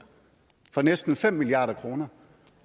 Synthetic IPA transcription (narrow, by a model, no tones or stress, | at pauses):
fɒ̽nesd̥n̩fem̰mːiliɑ̈ːɾɐkʰʁo̝ːnɐ